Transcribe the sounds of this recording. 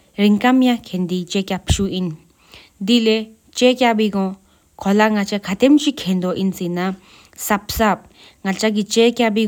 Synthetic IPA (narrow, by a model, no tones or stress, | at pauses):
ɾiŋkamj̃ãkʰend̪it͡ʃekʲapʰʃuʔin | d̪ile | t͡ʃekjabiːkɔ̃ | kʰolaŋat͡ʃakʰat̪emt͡ʃikʰend̪oʔint͡sinã | sapsap̚ | ŋalt͡ʃaɡ̬it͡ʃekʲjabiː